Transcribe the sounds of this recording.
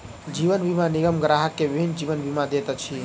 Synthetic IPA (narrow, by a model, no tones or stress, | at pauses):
d͡ʒiʋənbimaniɡəmɡɾaɦəkːeʋɪbʱind͡ʒiʋənbimad̪et̪ət͡ʃʰi